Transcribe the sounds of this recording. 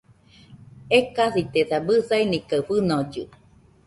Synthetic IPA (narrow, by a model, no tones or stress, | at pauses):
ekaθit̪eθabɨsainikaɸɨnod͡ʒɨ̰